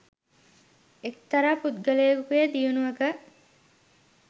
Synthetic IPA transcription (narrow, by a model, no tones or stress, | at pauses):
ek̚t̪ɐɾaːput̪̚ɡəleːɡukujed̪ijunuʋɐkə